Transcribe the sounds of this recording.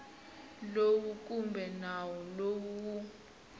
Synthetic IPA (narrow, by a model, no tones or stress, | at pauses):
lokuk̬ʼumbʱɛnawɔlowuku